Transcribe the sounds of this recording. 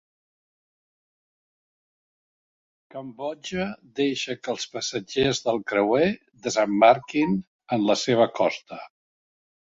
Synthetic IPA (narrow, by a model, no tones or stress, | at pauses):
kəmbɔd͡ʒəd̪eʃəkəlˠspəsəd͡ʒezðəlˠkɾəwe | d̪əzəmːaɾkin | ənləseβ̞əkɔst̪ə